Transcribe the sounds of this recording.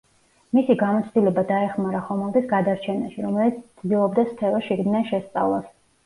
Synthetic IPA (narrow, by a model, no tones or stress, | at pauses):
misiɡamɔt̪sʰd̪ilɛbad̪aɛχmaɾaχɔmɛlˠd̪isɡad̪aɾt͡ʃʰɛnaʃiɾɔmɛlit̪sʰt̪sd̪ilˠɔbd̪asp̪ʰɛɾɔʃiɡd̪nɛnʃɛst̪sʼa̰vlˠas